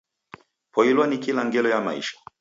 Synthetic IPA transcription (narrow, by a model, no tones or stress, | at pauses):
pʰɔilwanikilaŋɡɛlɔjama̰ḭʃḁ